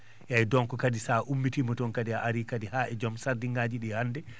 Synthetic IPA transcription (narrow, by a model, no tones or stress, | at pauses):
jajdɔnkɔkadisaʔumːitimɔtɔnkadiaʔaɾikadihaʔɛd͡ʒɔmsaɾdiŋɡaːd͡ʒiɗihandɛ